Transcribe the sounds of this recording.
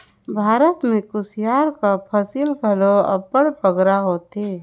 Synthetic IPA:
bʱaːɾət̪mẽkʊsjaːɾkapʰəsiːlɡʱəloə̰pəɽpəɡɾaɦoːt̪e

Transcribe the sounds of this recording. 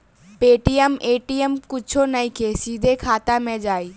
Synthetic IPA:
peːʈiəmeːʈiːəmkʊt͡ʃʰonɐĩkʰeːsiːd̪ʱekʰaːt̪amẽːd͡ʑaːiː

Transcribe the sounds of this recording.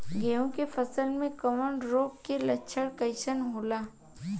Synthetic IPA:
ɡeːõkefɐsəlmẽkəməɳɖɾoːk̚kelɐtːʃʰəɽkɐɪʃənɦoːlaː

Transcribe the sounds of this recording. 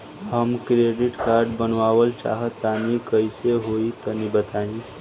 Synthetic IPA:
həmkɾeɖiʈkaɾɖbənʋawəlt͡ʃa̰ɦət̪ːanikəjseɦoit̪ənibət̪ani

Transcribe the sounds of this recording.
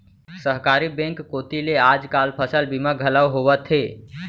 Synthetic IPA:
səɦkaːɾibẽŋkːoːt̪ileaːd͡ʒkaːlpʰəsəlbimaɡʱələwɦowət̪ɦeː

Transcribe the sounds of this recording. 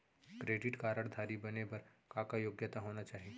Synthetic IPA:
kɾeːɖɪʈkaːɾəɽd̪ʱaːɾibɐnebɐɾkãkajoːɡjət̪aɦoːnat͡ʃaːɦie

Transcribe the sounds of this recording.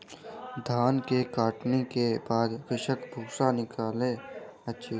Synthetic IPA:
d̪ʱaːnkekaːʈnekebaːd̪kɪʃəkbʱuːsanɪkaːlẽətːʃʰiː

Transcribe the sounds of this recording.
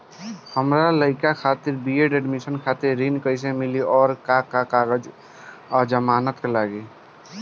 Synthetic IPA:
həmɾaləɪkakʰat̪iɾbieɖeɖmisənkʰat̪iɾːinkəɪs̬ẽmiliʔɔːɾkakakaɡəd͡ʒ | d͡ʒəmaːnət̪kelaɡe

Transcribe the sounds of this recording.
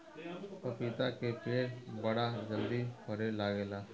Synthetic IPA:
opit̪akepeːʈbɐɽad͡ʒəld̪ipəɾelaːɡelaː

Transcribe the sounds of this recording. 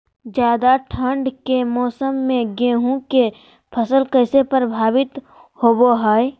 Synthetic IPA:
d͡ʒjaːd̪aʈʰəɳɖkemɔːsəmːẽɡẽːɦũke | pʰəsəlkəɪsepəɾbʱaːbɪt̪ | hoːboɦaːe

